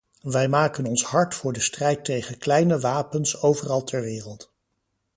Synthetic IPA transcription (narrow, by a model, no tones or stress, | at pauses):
ʋɛjmaːkənɔnsɦɑɹtfʊːɹdəstrɛjtejχənklɛjnəʋaːpənsowvərɑlˠtʰɛɹʋɪːrəlˠt